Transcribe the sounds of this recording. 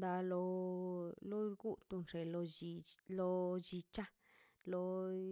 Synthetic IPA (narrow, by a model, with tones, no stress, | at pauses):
d̪a˧lo˧ | lo˦ɾɡu˦t̪u˧nʂe˨lo˧i˧lo˧d͡ʒi˧t͡ʃa˦ | lo˧